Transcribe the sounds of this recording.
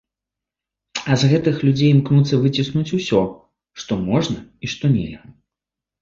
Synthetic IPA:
ɐzɣɛt̪ɨxlʲud͡zʲejmknut̪sːɐvɨt͡sʲisnut͡sʲusʲɔ | ʂt̪ɔmɔʐnɐiʂt̪ɔnʲɛ̰lʲɣɐ

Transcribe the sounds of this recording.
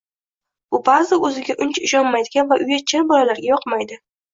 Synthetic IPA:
ʊbazɪɵzɪɡʲaʔʊnt͡ʃʊʃɒnmajd̪ɪɡʲanvaʔʊjat͡ʃʰɪɾbɒlalaɾɡʲajɒqmajd̪ɪ

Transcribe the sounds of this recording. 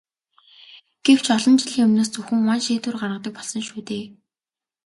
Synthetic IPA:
ɡ̥ew̥t͡ɕʰɔɮɞ̆nt͡ɕiɮiːŋɵmnoːst͡sɵxɘ̆ŋmanʃeːt̪wɘ̆rɢarʁə̆t̪ə̆k̚pɔɮsɞ̆ŋʃuːt̪eː

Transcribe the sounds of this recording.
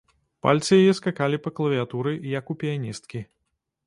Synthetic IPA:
pa̰lʲt̪sɨjajɛskakalʲipɐklˠɐvʲiat̪uɾɨjɐkupʲijanʲist̪̚kʲi

